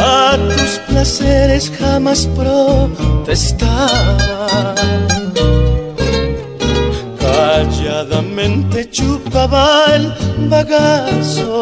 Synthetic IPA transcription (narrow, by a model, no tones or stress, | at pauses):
at̪usplaseɾe̞sxamaspɾot̪e̞st̪aβa | kaʎaðamẽ̞nt̪e̞t͡ʃupaβaelbaɣaso